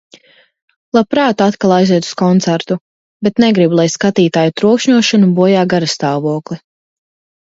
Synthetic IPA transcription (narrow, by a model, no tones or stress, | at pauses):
lˠapɾaːt̪uat̪kalˠajziɛu̥skɔnt̪sæɾt̪u | bɛt̪nɛɡɾibulˠajskat̪iːt̪aːjut̪ɾuɔkʃɲuɔʃanubuɔjaːɡaɾast̪aːvuɔklˠi